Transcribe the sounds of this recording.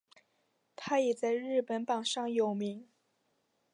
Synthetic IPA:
t̪ʰa˥jɛ˨˩t͡sa˥˧ɪɻɻ̩˥˩pə˧˥npɑ˨˩ŋʂɑ˥˩ŋjo˨˩ʊmi˧˥ŋ

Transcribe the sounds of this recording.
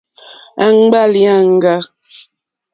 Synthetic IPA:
a˨ŋ˦ɡ͡ba˦li˨˦a˦˨ŋ̩˦ɡa˦

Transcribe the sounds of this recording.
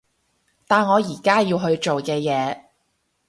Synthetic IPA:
t̪aː˨nŋɔː˨˧jiː˨˩kaː˥jiː˧wɦɵ˧ɥt͡ʃo˨wkɛː˧jɛː˨˧

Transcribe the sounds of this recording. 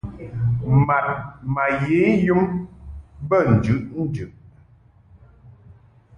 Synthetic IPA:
ma˨t̚ma˨je˨˦ju˦m | bə˦˨n̩˨d͡ʒʉ˨˦ʔn̩˦d͡ʒʉ˨ʔ

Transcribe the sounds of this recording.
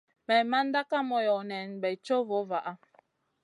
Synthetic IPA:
mɛ˨ma˦n˦da˦ka˦mɔ˨jɔ˨nɛ˨nbɛ˨t͡ʃo˦vo˨˦va˨ʔa˦

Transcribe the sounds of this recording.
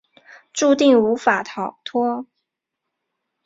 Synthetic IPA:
ʈ͡ʂu˥˧t̪i˥˩ŋu˧˥fa˨˩t̪ʰɑ˨˩ʊt̪ʰwɔ˥

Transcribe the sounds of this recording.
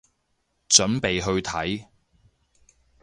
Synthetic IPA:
t͡ʃɵ˨˥npe˨jɦɵ˧ɥt̪ʰɐ˨˥j

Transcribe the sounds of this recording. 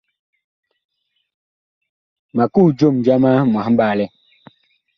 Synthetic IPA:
ma˨ku˦˨d͡ʒo˦˨md͡ʒa˦ma˦mwã˨˦m̩˦baː˦˨lɛ˦

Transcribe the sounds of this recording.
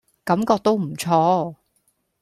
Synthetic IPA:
kɐ˨˥mkɔː˧k̚t̪o˥wm̩˨˩t͡sʰɔː˥

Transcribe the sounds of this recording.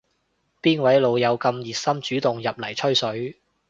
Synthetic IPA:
piː˥nwɐ˨˥jlo˨˧wjɐ˨˧wkɐ˧mjiː˨˩t̚sɐ˥mt͡ʃyː˨˥t̪ʊ˨ŋjɐ˨p̚lɐ˨˩jt͡ʃʰɵ˥ɥsɵ˨˥ɥ

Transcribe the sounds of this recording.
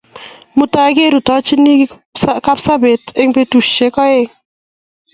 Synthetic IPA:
mu˨ta˦ɡe˦ɾu˨tɔ˦t͡ʃi˦ni˦ | ka˦psa˦be˨te˦ŋpe˦tu˨ʃt͡ʃe˦kɔ˦e˦˨ŋ

